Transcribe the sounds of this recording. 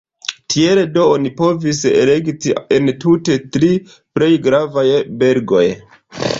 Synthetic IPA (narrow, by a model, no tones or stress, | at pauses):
tʰieledo̞onipo̞vis̬ḛleɡtientute̞tɾi | pɾe̞jɡɾavajbe̞ɾɡo̞̰j